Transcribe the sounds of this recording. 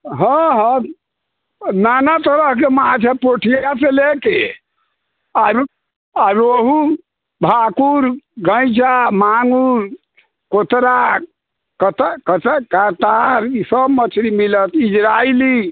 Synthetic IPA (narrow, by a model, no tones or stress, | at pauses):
ɦə̃ɦə̃ | nanat̪əɾəɦkemat͡ʃʰɛpoʈʰijaseleke | aɾ | aɾoɦu | bʱakuɾɡə̃ɪd͡ʒamaŋuɾ | kot̪ɾa | kət̪kət̪kat̪aɾisəbmət͡ʃʰɾimilət̪id͡ʒɾaili